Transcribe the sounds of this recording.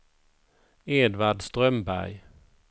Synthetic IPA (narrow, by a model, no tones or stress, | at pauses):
eːd̪vaɖst̪ɾœmbæ̰ɾj